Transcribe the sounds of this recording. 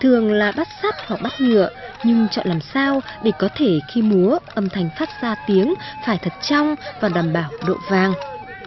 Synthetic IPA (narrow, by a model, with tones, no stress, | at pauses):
t̪ʰɨ˨˩əŋlaː˨˩ɓa˦˥t̚saː˦˥p̚ha˨˩k̚ɓa˦˥t̚ŋɨ̰˧˨əɲɨ˧ŋt͡ɕɔ̰˧˨nlaː˨˩msaː˧wɗe˧˩kɔ˨˦t̪ʰe˧˩xi˧mu˨˦əʔə˨˩mt̪ʰa˨˩jŋ̟faː˦˥t̚zaː˧t̪i˨˦əŋfaː˧˩jt̪ʰə˨˩t̚t͡ɕa˧wŋ͡mvaː˨˩ɗaː˧˩mɓaː˧˩wɗo̰˧˨vaː˨˩ŋ